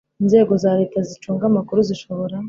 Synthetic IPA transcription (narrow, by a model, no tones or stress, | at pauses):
inze̞ːɡo̞zaːɾetazit͡ʃuːŋɡamakuɾuziʃo̞βo̞ɾa